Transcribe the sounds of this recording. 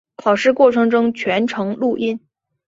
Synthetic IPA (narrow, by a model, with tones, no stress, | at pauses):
kʰɑ˨˩ʊʂɻ̩˥˧kwɔ˥˩ʈ͡ʂʰɤ˧˥ŋʈ͡ʂʊ˥ŋt͡ɕʰɥɛ˧˥nʈ͡ʂʰɤ˧˥ŋlu˥˧ʔi˥˩n